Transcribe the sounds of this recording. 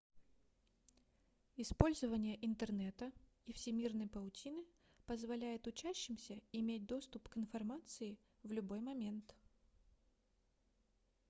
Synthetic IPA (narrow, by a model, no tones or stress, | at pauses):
ɪspo̞lʲzəvənʲɪjəʔɪnt̪ərnɛt̪ə | ifsʲɪmʲirnəjpəʊtʲinɨ | pəzvɐlʲæjɪt̪ʊt͡ɕæɕːɪmsʲəɪmʲet̚ʲd̪o̞st̪ʊpkɪnfɐrmat̪sɨɪ | vlʲʊbo̞jmɐmʲe̞nt̪